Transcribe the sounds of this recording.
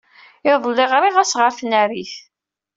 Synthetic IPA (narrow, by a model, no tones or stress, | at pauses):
ɪðˤlːɪʁɾɪʁæsʁəɾθnæɾiθ